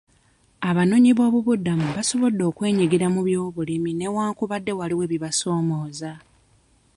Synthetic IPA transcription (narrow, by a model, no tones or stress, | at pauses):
aβano̞ɲiβo̞ːβuβudːamuβaso̞βo̞dːo̞ːkwe̞ːɲiɡiɾamuβjo̞ːβulimine̞waːŋkuβadːe̞waliwe̞βiβaso̞ːmo̞ːza